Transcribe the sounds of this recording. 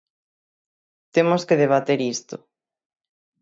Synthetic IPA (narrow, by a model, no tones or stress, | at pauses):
t̪emʊskeðeβ̞at̪eɾist̪ʊ̰